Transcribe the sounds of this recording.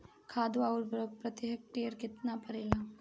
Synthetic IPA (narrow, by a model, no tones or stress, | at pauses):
kʰaːd̪uaːɾpɾɐt̪jɦək̚ʈeəɾkɪt̪napɐɾeːlaː